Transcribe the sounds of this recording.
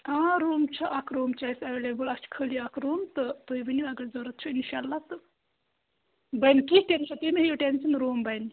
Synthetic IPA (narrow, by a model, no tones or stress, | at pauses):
aːɾuːmt͡ʃʰɐʔɐkʰɾoːmt͡ʃɐjsɐʋeːlebɨlɐkt͡ʃʰkʰəːliɐkʰɾuːmt̪ɨt̪oːibɐniɐɡɐɾzoːɾɐt̪̚t͡ʃʰuinʃaːlːat̪ɨ | bɐjnkisʈenʃɐt̪inɐɦijoʈensɐnɾoːmbɐjni